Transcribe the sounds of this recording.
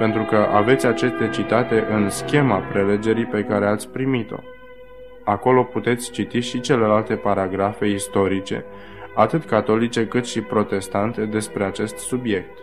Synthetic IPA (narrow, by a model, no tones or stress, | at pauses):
pe̞nt̪ɾukəʔave̞t̪sʲat͡ʃest̪e̞t͡ʃit̪at̪e̞ʔɨnskʲe̞mapɾe̞le̞d͡ʒe̞ɾipe̞kaɾe̞at̪sʲpɾimit̪o̞̰ | ako̞lo̞put̪e̞t̪sʲt͡ʃit̪iʃit͡ʃe̞le̞lalt̪e̞paɾaɡɾafe̞ist̪o̞ɾit͡ʃe̞̰ | at̪ɨt̪kat̪o̞lit͡ʃe̞kɨt̪ʃipɾo̞t̪e̞st̪ant̪e̞d̪e̞spɾe̞at͡ʃe̞st̪subje̞k̚t̪